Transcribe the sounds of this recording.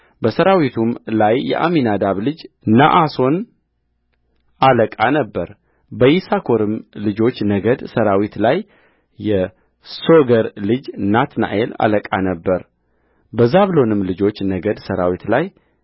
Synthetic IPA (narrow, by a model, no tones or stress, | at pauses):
bəsəɾawit̪ʰumlajːɛ̰ʔa̰minad̪aβlɨd͡ʒ | naʔaso̞n | aləkʼanəbːəɾ | bəjisakʰo̞ɾɨmlɨd͡ʒo̞t͡ʃːnəɡəd̪səɾawit̪lajː | ɛ | soɡəɾlɨd͡ʒnat̪na̰ʔela̰ləkʼa̰nəbːəɾ | bəzaβlo̞nɨmlɨd͡ʒo̞t͡ʃːnəɡəd̪səɾawit̪laj